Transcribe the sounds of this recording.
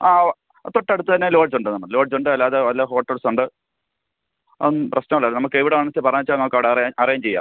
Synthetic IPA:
aː | t̪oʈːeɽut̪ːɨt̪ɐnːelo̞ːɖ̚d͡ʑuɳɖɨnɐmːɐɭlo̞ːɖd͡ʑuɳɖɨɐlːaːðeʋɐlːɐɦo̞ːʈːelsuɳɖɨ | ɐ̰ðunːprɐɕnɐmɐlːaːnɐmukːɨeʋiɽeʋɐɳɐsepɐrɐɲːit͡ɕːaːlnɐmukːɐʋiɽeɐrjaʔɐrɐjaːmt͡ɕe̞jːa̰ːm

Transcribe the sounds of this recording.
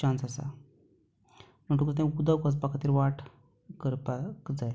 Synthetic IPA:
ãnsasa̰ | m̤əɳʈ̬ukɾət̪̬ẽkud̪aʋkas̬pakʰat̪iːɾʋaʈ | kəɾpakd͡zaj

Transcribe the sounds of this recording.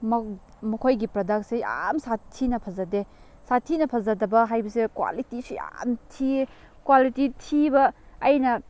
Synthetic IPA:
m | mɐkʰojɡipɾɐdak̚seja̰msatʰːinɐpʰɐzɐde | satʰːinɐpʰɐzɐdɐbɐɦajbɐsekwa̰litisuja̰mtʰi | kwalititʰibɐːjnɐ

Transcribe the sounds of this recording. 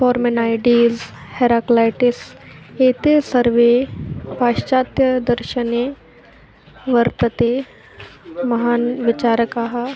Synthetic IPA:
fɔːɾmenaːjɖiːz | heɾaːklaːjʈɪset̪esɐɾʋepaːʃt͡ʃaːt̪jɐd̪ɐɾʃəne | ʋɐɾt̪ət̪eː | mɐɦaːnʋɪt͡ʃaːɾəkaɦa

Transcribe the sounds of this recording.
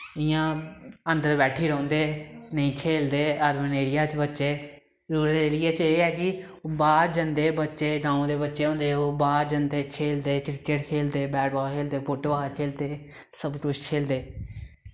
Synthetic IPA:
ɪjãːə̃nd̪əɾbɛːʈʰiːɾə̃ːnd̪eːnəĩːkʰeːld̪eːəɾʋəneːɾɪjaːt͡ʃbətːʃeː | ɾuːɾeːlɪɛːt͡ʃeːɛːkɪ | baːɾd͡ʒənd̪eːbətːʃeːɡãːõːd̪eːbətːʃeːɦõːnd̪eːoːbaːɾd͡ʒənd̪eːkʰeːld̪eːkɾɪkːeʈkʰeːld̪eːbɛːʈbɔːlkʰeːld̪eːpʰoːʈoːaːɾkʰeːld̪eː | səbkʊt͡ʃʰkʰeːld̪eː

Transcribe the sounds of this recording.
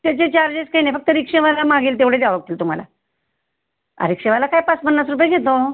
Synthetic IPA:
t̪jat͡ɕet͡ɕaɾd͡ʑeskanefək̚t̪əɾikʂeʋalamaɡiːlt̪eʋɽ̤ed͡ʑaʋək̚t̪ʰiːlt̪um̤ala̰ | a̰ɾikʂẽʋalakajpat͡spənːasɾupjeɡʱet̪o

